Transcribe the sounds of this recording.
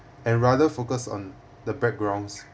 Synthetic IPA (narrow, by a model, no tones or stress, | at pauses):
ɛ̃nɹadəfokəsɔ̰̃n | dəbɛk̚ɡɹãw̃ns